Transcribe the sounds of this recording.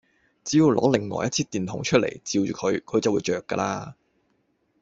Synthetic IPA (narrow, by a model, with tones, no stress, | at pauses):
t͡siː˨˥jiː˨˧wlɔ̰ː˨˥lɪ˨˩ŋːɔ̰ː˨˩jɐ˥t̚t͡sʰiː˥t̪iː˨˩nt̪ʰʊ̰˨˧˥ŋt͡ʃʰɵ˥t̚lʔḛ˨˩jt͡siː˧wt͡ʃyː˨kʰɵ˨˧ɥkʰɵ˨˧ɥt͡sɐ˨wuː˨˧jt͡ʃœː˨kːaː˧laː˥